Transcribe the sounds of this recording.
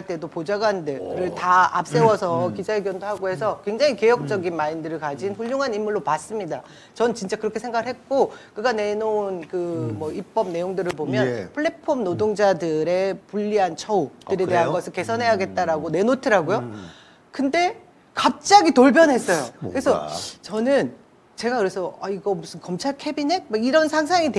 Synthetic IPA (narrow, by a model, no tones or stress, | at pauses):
ɭt͈e̞dopod͡ʑaɡwandɯɭkɯɾɯɭtaa̰p̚s͈e̞wʌsʰʌkid͡ʑaeɡjʌndoɦaɡoɦe̞s̬ʰʌkwe̞ŋd͡ʑaŋike̞jʌk̚t͡ɕ͈ʌɡinmaindɯɾɯɭkad͡ʑinɸuʎːoŋɦanimuɭːopas͈ɯmɲida | t͡ɕʌnɯnt͡ɕint͡ɕ͈akɯɾʌkʰe̞sʰe̞ŋɡaɡɯɭɦe̞t̚k͈okɯɡane̞nonkɯmʌip͈ʌb̚ne̞joŋdɯɾɯɭpomjʌnpʰɯɭːepʰomnodoŋd͡ʑadɯɾe̞puʎːiɦant͡ɕʰʌu̥ɯɾe̞te̞ɦanɡʌsʰɯɭke̞sʰʌnɦe̞jaɡe̞t̚t͈aɾaɡone̞notʰɯɾaɡojo | kɯnde̞ | kap̚t͡ɕ͈aɡitoɭp̬ʰjʌnɦe̞s͈ʌjokɯɾesʰʌt͡ɕʌnɯn | t͡ɕe̞ɡakɯɾe̞sʰʌaiɡʌmusʰɯnkʌmt͡ɕʰaɭkʰe̞binɦe̞k̚maiɾʌnsʰaŋs̬ʰaŋit